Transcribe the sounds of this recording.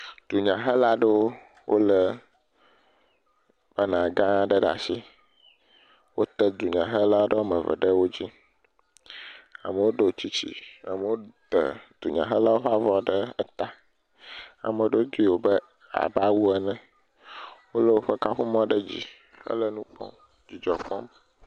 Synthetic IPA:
d̪̥u˨ɲã˨ɦə˦la˦ɖə˦wo˦ | wʔo˦lə˦ | ma˦nã˨ɡã˦ɖə˦ɖa̰˨si˦ | wo˦t̪ə˦d̪u˨ɲã˨ɦə˦la˦o˦ɖə˦wo˦mə̃˨və̰˨ɖə˦wo˦d͡ʑi˦ | a̰˨mə˨wo˦ɖə˨o˨t͡ɕi˦t͡ɕḭ˦a˨mə˨wo˦t̪ə̰˨d̪̥u˨ɲã̰˨ɦə˦la˦wo˦ɸa˦vɔ˦ɖə˦ə˦t̪a˦ | a̰˨mə̃˨ɖə˦wo˦d̪u˦i˦˨wo˨bə˦ | a̰˨ba˦wu˦ə˦˨nɛ̃˨ | wo˦lə˦wo˦ɸə˦ka˦ɸu˦mɔ̃˦ɖə˦d͡ʑḭ˦˨ | hə̰˦lə˦nũ˦k͡pɔ̰̃˦ | d͡ʑi˨d͡ʒɔ˨k͡pɔ˦m

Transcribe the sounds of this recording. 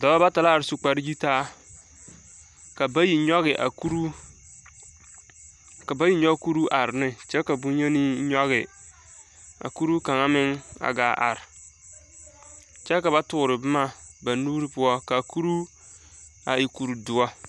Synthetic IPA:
da˨ba˦ba˦ta˨la˦a˨ɾsu˨k͡pa˨ɾi˦d͡ʒi˦taː˦ | ka˨ba˦ji˨ɲɔ˦ɣɪ˨ʔa̰˨ku˦ɾu˦ | ka˨ba˦ji˦ɲɔ˦ku˦ɾu˦ʔa˨ɾnɪ˦t͡ʃɛ˦ka˨bu˦ɲe˦ni˦ɲɔ˦ɣɪ˨ | a̰˨ku˦ɾu˦ka˨ŋa˦mɪ˦ŋa̰˨ɡaː˨˦ʔa̰˨ɾɪ˨ | t͡ʃɛ˦ka˨ba˦tʊ˨ɾɪ˨bɪ˦ma˦ | ba˨nu˦ɾi˦pʊ˦ɔ˦ka˨ku˦ɾu˦ | a˨i˨ku˨ɾu˨dʊ˨ɔ˦

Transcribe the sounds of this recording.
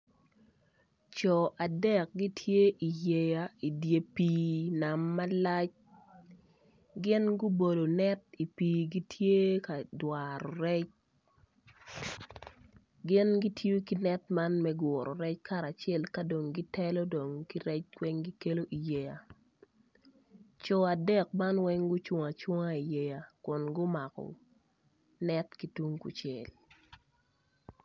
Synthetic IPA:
t͡ʃɔ˨ʔa˨dɛ˦k̚ɡi˦tʰje˦ʔi˨je˦ja˨i˨dje˦piː˦na˨mːa˦la˦t͡ʃ | ɡɪ˦nɡʊ˦bo˨do˨nɛ˦ti˨piː˨ɡi˦tʰje˦ka˨dwa˨ɾɔ˨ɾɛ˦t͡ʃ | ɡɪ˦nɡi˦tʰjo˦ki˦nɛ˦tma˦nmɛ˦ɡɔ˨ɾɔ˨ɾɛ˦t͡ʃka˦ɾa˨t͡ʃjɛ˦lka˦do˨ŋɡi˦tɛ˦lɔ˦do˨ŋki˦ɾɛ˦t͡ʃwɛ˦ŋɡi˦ke˦lo˦ʔi˨je˨ja˨ | t͡ʃo˨a˨dɛ˦˨k̚ma˦nwɛ˦ŋɡʊ˦t͡ʃwɔ˨ŋa˨t͡ʃwɔ˦ŋa˦i˨je˨ja˨kʊ˨nɡʊ˦ma˨kɔ̰˨ | nɛ˦tki˨tu˦ŋkṵ˨t͡ʃɛ˨l

